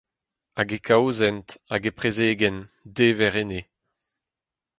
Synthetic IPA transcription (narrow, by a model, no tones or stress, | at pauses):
aɡekʰawzɛntaɡepχezeːɡɛndevɛʁene